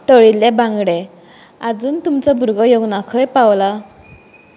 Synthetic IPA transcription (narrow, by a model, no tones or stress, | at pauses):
t̪əɭilɛ̃bãŋɡɽɛ̃ | ad͡zuːnt̪umt͡sɔbʱuɾɡəjoɡnakʰəjpawla